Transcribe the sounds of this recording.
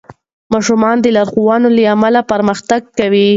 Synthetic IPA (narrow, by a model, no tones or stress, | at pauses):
mɑʃumɑnd̪əlɑɾxuwɑnoləamalapaɾməxt̪aɡ̚kawi